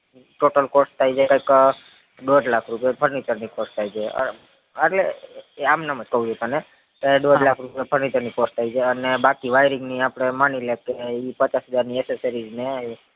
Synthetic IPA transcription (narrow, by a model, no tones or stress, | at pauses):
ʈoʈəlkost̪ʰaid͡ʒekə̃ik | ɖoɖlakʰɾupijepʰəɾnit͡ʃəɾnikost̪ʰaid͡ʒeə̰ | əʈleamnaməd͡ʒkəɦũd͡ʒʱot̪one | keɖoɖlakʰɾupjepʰəɾnit͡ʃəɾnikost̪ʰaid͡ʒʰeənebakiʋajɾiŋɡniapɽ̃emanilekeipət͡ʃasɦəd͡ʒaɾnieseseɾid͡ʒnei